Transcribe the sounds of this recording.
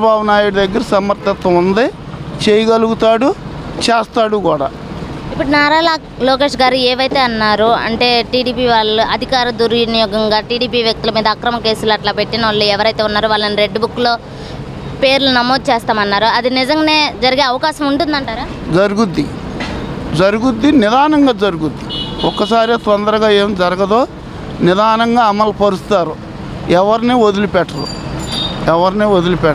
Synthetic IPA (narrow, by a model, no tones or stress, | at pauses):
ɐbʱaːʋɐnaːjuɽud̪ɐɡːɐɾɐsɐmɐɾt̪ɐt̪ɐund̪i | t͡ʃejɐɡɐluɡut̪aːɽut͡ʃɛːst̪aːɽukuːɽa̰ː | ipːuʈunaːɾaːlaː | loːk̬e̞ːʂɡaːɾueːʋɐjt̪e̞ːɐnːaːɾuɐ̰ɳʈe̞ːʈiːɽiːpiːʋaːɭuʔɐd̪ʱikaːɾɐd̪uɾnijɔːɡɐŋɡaːʈiːɽiːpiːʋjɐk̚t̪ulɐmiːd̪ɐːkɾɐmɐke̞ːsulɐʈlaːpeʈːinɐɐlːuɛʋɐɾɐjt̪e̞ːunːaːɾuʋaːɭːɐniɾe̞ɖːbukːlo̞ː | pe̞ːɾlunɐmoːd̪̚t͡ʃeːst̪aːmɐnːaːɾuɐd̪inid͡ʒɐŋɡne̞ːd͡ʒɐɾiɡeːɐʋɐkaːʃɐmuɳʈund̪ɐɳʈaːɾaː | d͡ʒɐɾuɡud̪ːi | d͡ʒɐɾuɡud̪ːinɪd̪aːnɐŋɡaːd͡ʒɐɾuɡud̪ːiɔkːɐsaːɾit̪ɔnd̪ɐɾɐɡaːeːmd͡ʒɐɾɐɡɐd̪oː | nɪd̪aːnɐŋɡaːɐmɐlpɐɾust̪aːɾu | ɛʋɐɾneod̪ulupɛʈːɐɾṵ | ɛʋɐɾneːod̪ulupɛ